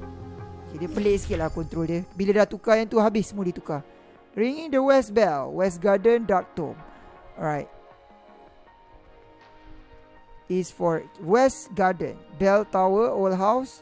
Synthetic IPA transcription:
okediəpəleʔsə̥kit̪̚lahkɔnt̪ɾɔldiəbiladat̪ukajãnt̪uɦabɪsəmudit̪uka | ɹiŋĩŋdəwɛsbɛlwɛs̬ɡadəndɔk̚t̪ɔ̰mɹajt̚ | isfɔɹwɛsɡadə̰̃nbɛlt̪awəolɦaws

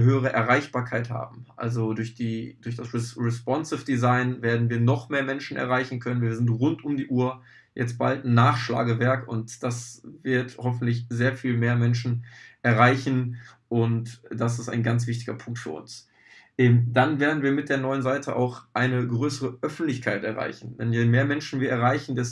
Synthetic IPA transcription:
ɦøːəʁ̞əʔɛɐʁaɪçb̥aːɐkʰaɪtha̰ːbm̩ʔa̰lzodʊɐçd̥iːdʊɐçd̥asʁɛsʁɛspɔnsɪfd̥izaɪnveːɐdn̩viːɐnɔχmeːɐmɛnʃn̩ʔɛ̰ɐʁaɪçn̩kʰœnənviːɐzɪntʁʊntʊmdiːʔuːɐ | jɛ̰t͡st̚b̥altnːaːχʃla̰ːɡəvɛɐkʊntd̥asvɪɐthɔfn̩tlɪçzeːɐfiːlmeːɐmɛnʃn̩ʔɛɐʁaɪçn̩ | ʔʊntd̥as̬ɪsta̰ɪnɡant͡sv̥ɪçtɪɡɐ̰pʰʊŋk̚tfyːɐʔʊ̰ns | ʔɛd̥anveːɐdn̩viːɐmɪt̚d̥eːɐnɔʏənzaɪtʰəʔa̰ʊxʔaɪnəɡʁøːsəʁəʔœfn̩tlɪçkʰaɪtʔɛɐʁa̰ɪçn̩dɛnjeːmeːɐmɛnʃn̩viːɐɛɐʁaɪçn̩dɛs

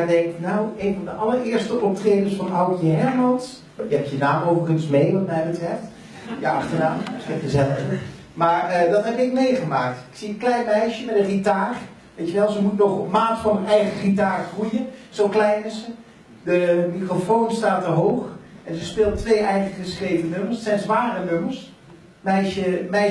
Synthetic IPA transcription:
dɛŋknaweːnvɑndəʔɑlˠəɹɪːɹstəʔɔp̚trejdəsfɑnawkjəɦɛɹmɑns | jəɦɛp̚jənaːmowvərχənsmejʋɑtmɛjbətrɛft | jəɑχtədaːmtfɪkəzɛləfə | maːɹədɑtɦɛpɪk̚mejχəmaːk̚tɪksiənklɛjnmɛjʃəmɛtənritaːr | ʋejtəʋɛlˠzəmutnɔχmaːtfɑnənɛjχəχitaːrχrujənz̥owklɛjnəzə | dəmikrofownstaːtəɦowχʔɛnzəspɪːlˠtʋejʔɛjχəχəsχrejvənɵməɹssɛjnzʋaːrənøməɹs | mɛjʃəmɛj

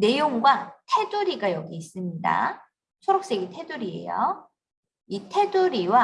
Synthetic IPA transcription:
ne̞joŋɡwatʰe̞duɾiɡajʌɡiːs͈ɯmɲida̰ | t͡ɕʰoɾʌk̚s͈e̞ɡitʰe̞duɾie̞̰jo̰ | itʰe̞duɾiwa

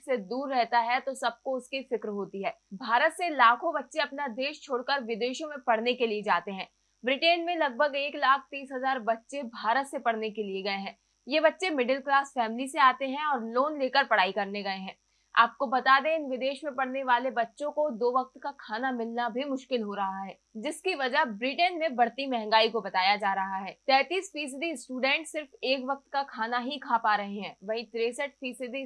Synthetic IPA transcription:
sed̪uːɾːɛɦt̪aɦɛt̪osɐb̚koʊskifɪkɾɦoːt̪iɦɛːbʱaːɾət̪selaːkʰõbɐtːʃeɐpnad̪eːʃt͡ʃʰoːɽkəɾʋɪd̪eːʃõmẽpɐɽ̤nekelied͡ʒaːt̪eɦɛ̃ː | bɾɪʈeːnmẽlɐɡ̚bʱəɡeːklaːk̚ʰt̪iːsɦɐzaːɾbɐtːʃebʱaːɾət̪sepɐɽ̤nekelieɡɐeɦɛ̃ː | jebɐtːʃemɪɖəlklaːsfɛːmliseaːt̪eɦɛ̃ɔːɾloːnleːkəɾpɐɽ̤aːikɐɾneɡɐeɦɛ̃ː | a̰ːp̚kobɐt̪aːd̪eɪnʋɪd̪eːʃmẽpɐɽneʋaːlebɐtːʃõkod̪oːʋɐk̚t̪kakʰaːnamɪlnabʱimʊʃkɪlɦoɾɐɦaɦɛː | d͡ʒɪskiʋɐd͡ʒəɦbɾiːʈənmẽbɐɽt̪imɛɦɛ̃ŋɡaːikobɐt̪aːjad͡ʒaːɾɐɦaɦɛːt̪ɛːt̪iːsfiːs̬ɪɖisʈuːɖɛ̃ːɳʈsɪɾfeːkʋɐk̚t̪kakʰaːnaɦikʰaːpaːɾɐɦeɦɛ̃ːʋɐɦĩt̪ɾeːsəʈ̚fiːsɪɖi

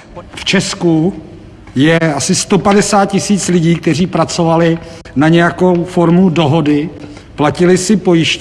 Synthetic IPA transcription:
ft͡ʃɛsku | jɛasɪst̪o̞padɛsaːt̪̚cɪsiːt͡slɪɟiːk̚t̪ɛr̝iːpɾat͡so̞valɪ | naɲɛjako̞wfo̞ɾmudo̞ɦo̞dɪ | placɪlɪsɪpo̞jɪʃ

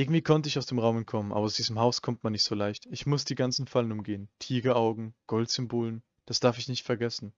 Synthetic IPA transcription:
ʔɪɐɡŋ̩tv̥iːkʰɔntəɪçaʊsd̥eːmʁaʊmənkʰɔmənʔa̰ːbɐaʊsd̥iːzəmɦaʊskʰɔmtmanːɪçtz̥oːlaɪçtɪçmʊsd̥iːɡant͡sn̩falənʊmɡeːəntʰiːɡəaʊɡŋ̩ɡ̥ɔltz̥ʏmboːlən | d̥asd̥aɐfɪçnɪçtfɛɐɡɛsn̩

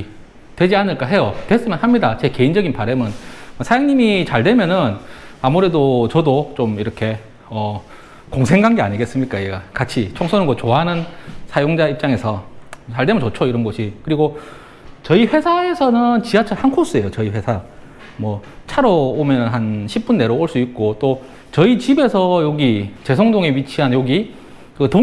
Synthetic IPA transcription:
twe̞d͡ʑianɯɭk͈aɦe̞jotwe̞s͈ɯmjʌnɦamɲidat͡ɕeke̞ind͡ʑʌɡinpaɾemɯnmʌsʰajaŋɲimit͡ɕaɭdwe̞mjʌnɯnamuɾe̞dot͡ɕʌdot͡ɕomiɾʌkʰe̞ | ʌ | koŋsʰe̞ŋɡaŋɡeaɲiɡe̞s͈ɯmɲik͈aiɡakat͡ɕʰit͡ɕʰoŋsʰonɯnɡot͡ɕoaɦanɯnsʰajoŋd͡ʑaip̚t͡ɕ͈aŋe̞sʰʌaɭdemunt͡ɕot͡ɕʰoiɾʌnɡʌɕʰikɯɾiɡo | t͡ɕʌiɸwe̞sʰae̞sʰʌnɯnt͡ɕiɦat͡ɕʰaɭhankʰos͈ue̞jot͡ɕʌiɸwe̞sʰa | mwʌt͡ɕʰaɾoːmjʌnɯnɦanɕʰip̚p͈unːe̞ɾooɭs͈uik̚k͈ot͈o | t͡ɕʌit͡ɕibe̞sʰʌjoɡit͡ɕe̞sʰoŋdoŋe̞wɥit͡ɕʰiɦanjoɡi | kɯto

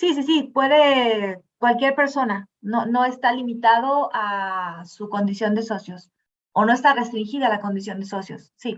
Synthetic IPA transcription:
sis̬is̬ipwe̞ðekwalkje̞ɾpe̞ɾso̞na | no̞no̞e̞st̪alimit̪að̞o̞asuko̞nd̪isjo̞nd̪e̞so̞sjo̞s | ono̞e̞st̪are̞st̪ɾiŋxiðaalako̞nd̪is̬jo̞nd̪e̞so̞sjo̞̰sːi

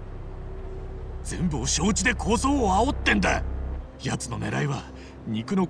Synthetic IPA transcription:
d͡zẽ̞̰mbɯ̟oɕoːt͡ɕid̪e̞kʰo̞ːso̞ːaot̪ːẽ̞nd̪a | jat͡sɨno̞ne̞ɾaiβa | ɲ̟ikɯ̟no̞

